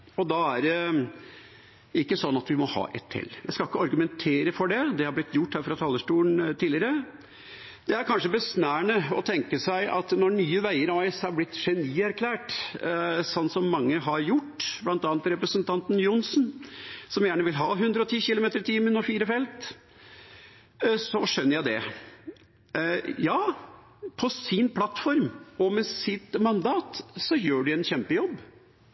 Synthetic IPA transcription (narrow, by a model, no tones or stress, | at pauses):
ɔd̪ɑæɾɖɛ | ɪkːəsɔnːɑt̪ʋɪmɔhɑ̰ːʔɛ̰t̪ʰːɛ̰lːjæɪskɑɪkːəɑɾɡʉmɛnt̪ʰeːɾəfɔɖɛd̪ɛhɑɾblɪt̪ʰːjʊʈːhæːɾfɾɑt̪ʰɑlːəʂʈuːənt̪ʰiːlɪəɾə | d̪̥ɛæɾkʰɑnʂəbəsnæːɳəɔt̪ʰɛŋkəsæɪʔɑ̰t̪nɔɳyːəʋæɪəɾɔɪshɑɾblɪt̪ːʂɛniːæɾkʰlæːʈ | sɔnt̪sɔmːɑŋːəɦɑɾjʊʈːblɑnt̪ɑːnt̪ɾɛpɾəsənt̪ʰɑnt̪n̩jʊnsnsɔmjæːɳəʋɪlɦɑːɦʉnd̪ɾəɔt̪ʰiːçɪlʊmeːt̪əɾt̪ʰiːmənɔfiːɾəfɛlt̪ | sɔʂœnːəɾjæɪd̪ɛ̰ | jɑː | pʰɔsɪnpʰlɑt̪fɔɾmɔmɛsɪt̪mɑnd̪ɑːt̪sɔjøːɖɪɛnçɛmpəjɔbː